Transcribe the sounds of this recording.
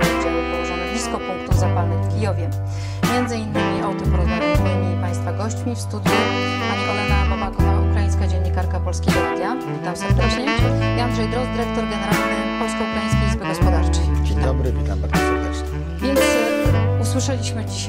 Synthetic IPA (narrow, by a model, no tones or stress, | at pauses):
ɔd͡ʑawɛbɔwsad̪ɔvʲiskɔpuŋkt̪uvzapalnɛfkʲijɔvʲjɛ | mʲjɛnd̪zɘinːɘmʲiawt̪ɔpɔɾɔzvavʲimɘɲʲipaj̃st̪faɡɔɕt͡ɕmʲifst̪ud̪ʲju | panvɔlɛnapɔmakɔvawaukɾaiɲskad͡ʑɛɲːikaɾkapɔlskʲejɡɔd̪ʲja | vʲit̪amsɛɾd̪ɛt͡ʂɲɛiand̪ʐɛjd̪ɾɔzd̪ɘɾɛk̚t̪ɔɾɡɛnɛɾalt̪ampɔlskɔukɾajĩs̬kʲejlʲizbɘɡɔspɔd̪aɾt͡ʂɛjd͡ʑeɲd̪ɔbɾɘvʲit̪ambaɾɔsɛɾd̪ɛt͡ʂɲɛ | vʲjɛnt̪suswɘʂɛlʲiɕmɘd͡ʑiɕ